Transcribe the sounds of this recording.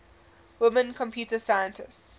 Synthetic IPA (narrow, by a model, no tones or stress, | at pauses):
wɪmə̃nkʰɔ̃mpʰjuːtəsajə̃ntʰɪsts